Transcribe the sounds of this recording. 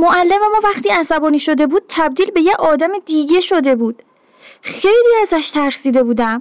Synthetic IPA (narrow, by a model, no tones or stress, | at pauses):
moʔælːemæmɒːvæχt̪iːæsæbɒːniːʃo̞d̪e̞buːd̪̥̚t̪ʰæb̚d̪iːlbe̞jeɒːd̪æmed̪iːɟe̞ʃo̞d̪e̞buːd̪̥ | xe̞jliːæzæʃt̪ʰæɾsiːd̪e̞buːd̪æm